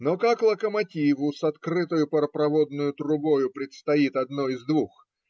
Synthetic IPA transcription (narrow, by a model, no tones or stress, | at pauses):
nokaklˠəkəmɐtʲivʊsɐt̪kɾɨt̪əjʊpəɾəpɾɐvod̪nʊjʊt̪ɾʊbo̞jʊpɾʲɪt̪st̪ɐit̪ɐd̪noɪzd̪vux